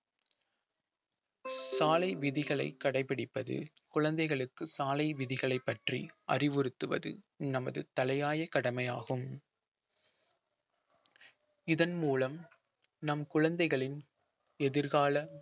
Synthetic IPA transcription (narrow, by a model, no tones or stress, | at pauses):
saːlɐɪʋɪðɪɣɐɭɐ̰ɪkːɐɽɐɪpːɪɽɪpːɐðɯ̰ | kʊɻɐnd̪ɐɪɣɐɭɯkːɯsaːlɐɪʋɪðɪɣɐɭɐɪpːɐʈrḭɐ̰rɪʋɯɾɯt̪ːɯʋɐ̰ðɯ̰ | nɐmɐðɯ̰t̪ɐlɐjaːjɐkɐɽɐmɐjaːɣɯm | ɪðɐnmuːlɐm | nɐmkʊɻɐnd̪ɐɪɣɐɭɪn | ɛðɪɾɣaːlɐ